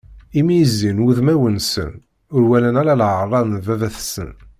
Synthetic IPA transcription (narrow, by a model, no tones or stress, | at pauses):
imijəzːinuðmæwənsə̰n | ʊɾwælænæɾalʕərˤːɑnəvævæθsə̰n